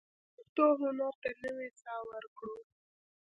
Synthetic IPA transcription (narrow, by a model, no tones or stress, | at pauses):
xt̪oɦʊnaɾt̪anəwesɑwəɾkɽo